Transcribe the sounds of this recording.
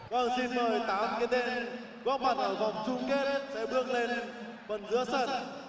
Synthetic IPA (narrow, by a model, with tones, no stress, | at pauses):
kɔ˨˩nsi˧nməː˨˩jt̪aː˨˦mkaː˨˦jɗe˧n | ɣɔ˦˥t̚ma˧˩nʔəː˧˩va˨˩wŋ͡mt͡ɕʊ˧ŋ͡mke˦˥t̚sɛ̰˧˥ɓɨ˧˥əŋle˧n | və˨˩nzɨ̰˧˥əsə˧˩t̚